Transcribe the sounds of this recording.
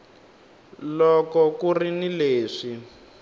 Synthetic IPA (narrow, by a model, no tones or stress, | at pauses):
lɔkɔkurinileːʂi